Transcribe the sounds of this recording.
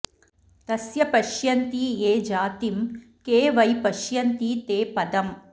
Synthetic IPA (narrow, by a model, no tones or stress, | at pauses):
t̪ɐsjɐpɐʃjɐnt̪ieːd͡ʒaːt̪im | keːʋɐjpɐʃjɐnt̪it̪eːpɐd̪ɐm